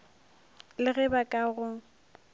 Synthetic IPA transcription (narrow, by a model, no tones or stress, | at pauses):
lɪɣɛbakʼaɣʊ